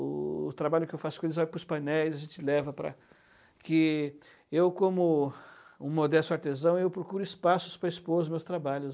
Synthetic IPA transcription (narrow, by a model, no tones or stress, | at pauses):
ʊ̰ːt̪ɾabaʎʊkɪewfasʊ̥kõelɪzvajpɾʊspajnɛjzɐʒẽnt͡ʃɪlɛvɐpɾɐ̰ | kɪ | ewkõmʊ | ũmod̪ɛst̪ʊaɾt̪ezɐ̃w̃ewpɾokuɾʊispasʊ̥spɾɐispozʊmewst̪ɾabaʎʊ